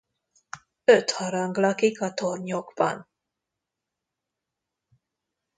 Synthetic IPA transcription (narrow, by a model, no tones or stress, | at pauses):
øt̪hɒɾɒŋɡlɒkikɒt̪orɲoɡbɒ̰n